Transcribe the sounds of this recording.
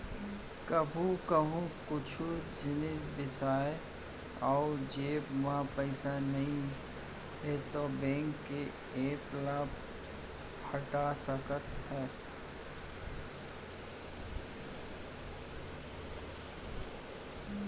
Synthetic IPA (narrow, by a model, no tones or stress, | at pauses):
kəbʱũkəɦũkʊt͡ʃʰud͡ʒɪnɪd͡ʒbɪsaːe | ɔːʊd͡ʒeːbmãpəɪsanɐɦĩ | ɦet̪obɛ̃ːŋkːe | eːplaːp | həʈasəkət̪hɛːs